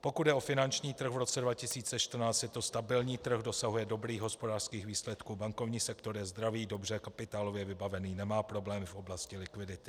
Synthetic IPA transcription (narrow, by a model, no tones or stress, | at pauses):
po̞kud̪dɛʔo̞fɪnant͡ʃɲiːt̪r̩ɣvɾo̞t͡sɛdvacɪsiːt͡sɛʃt̪r̩naːt͡stjɛt̪ost̪abɪlɲiːt̪r̩xdo̞saɦujɛdo̞bɾiːɣɦo̞spo̞daːr̥skiːxviːslɛt̪kuːbaŋkovɲiːsɛkt̪o̞ɾjɛzd̪ɾaviːdo̞brɛkapɪt̪aːlo̞vjɛvɪbavɛniːnɛmaːpɾo̞blɛːmɪfʔo̞blascɪlɪkvɪdɪt̪ɪ̥